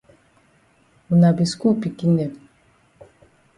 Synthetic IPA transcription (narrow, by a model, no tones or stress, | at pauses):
unabiskupikine